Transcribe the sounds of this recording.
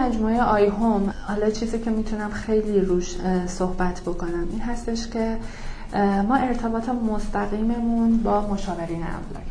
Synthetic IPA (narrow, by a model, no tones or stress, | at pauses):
æd͡ʒmuːejeʔɒːjɦomhɒːlɒːt͡ʃʰiːziːcʰe̞miːt̪ʰunæmxe̞jliːɾuːʃsohbæt̪ʰbo̞kʰo̞næmiːnɦæst̪e̞ʃcʰe̞ | mɒːʔe̞ɾt̪ʰe̞bɒːt̪ʰemost̪æɣiːme̞munbɒːmo̞ʃɒːve̞ɾiːnæ̰mlɒ̰ː